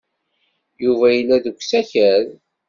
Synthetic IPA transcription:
juvæjəlːæðəkʷːsæçæɾ

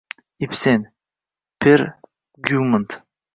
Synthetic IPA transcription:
ipsen | pʰeɾ | ɡumənt̪

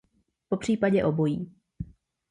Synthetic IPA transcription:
po̞pr̝̥iːpaɟɛʔobo̞jiː

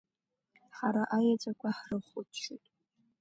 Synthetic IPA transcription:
ħaɾaʔajat͡sʷʼakʷʰaħrɨχʷʊtʰʃitʼ

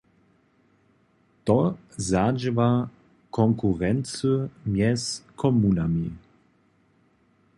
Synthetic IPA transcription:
t̪ɔ | zad͡ʒəva | kʰɔŋkuʁɛnsəmjɛskʰɔmuːnami

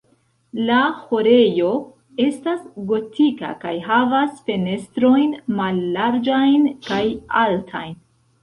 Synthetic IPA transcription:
laho̞ɾe̞jo̞ | e̞stasɡo̞tʰika̰kajɦavasfe̞ne̞stɾo̞jnmalːaɾd͡ʒajnkajaltʰa̰jn

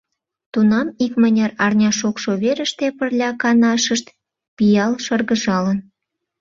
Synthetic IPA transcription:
t̪unɑmikmənʲerɑrnʲɑʃokʃoβeɾəʃt̪epərlʲɑkɑnɑʃəʃt̪ | pijɑlʃərɣəʒɑlən

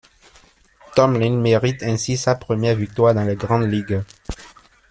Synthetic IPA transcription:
t̪ɔmlĩnmeʁit̪ɛ̃sisapχəmjɛʁvik̚t̪waːʁd̪ɑ̃leɡʁɑ̃d̪liɡ

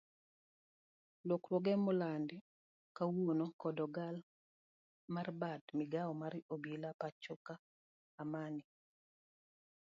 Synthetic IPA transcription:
lwoklwoɡɛmʊland | kawonokɔdɔɡal | marbatmɪɡaɔmaɾobilapat͡ʃɔkaː | manɪ

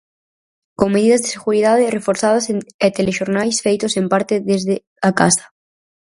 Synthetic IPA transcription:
ko̞ŋme̞ðiðazðeseɣuɾiðaðere̞foɾθað̞aseet̪eleʃoɾnajsfejt̪ose̞mpaɾt̪eðezðe | aka̰sḁ

